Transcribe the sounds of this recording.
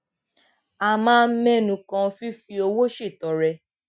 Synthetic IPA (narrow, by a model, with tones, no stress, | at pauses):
a˧˨mãː˦˧m̩˦mɛ̃˦nũ˨˦kã˧fi˦fi˧o˧wo˦ʃe˦˨tɔ˨ɾɛ˧